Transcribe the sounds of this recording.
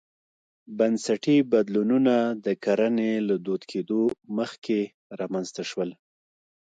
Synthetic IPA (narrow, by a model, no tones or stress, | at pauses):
bansaʈibad̪lununad̪əkaɾanelad̪od̪kʰed̪oməxke | ɾamanzt̪aʃwəl